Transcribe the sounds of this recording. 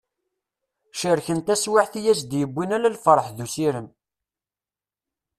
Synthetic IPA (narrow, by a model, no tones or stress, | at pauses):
ʃəɾçənt̪æswaʕθijæsd̪jəbʷːinælælfəɾˤħðusiɾəm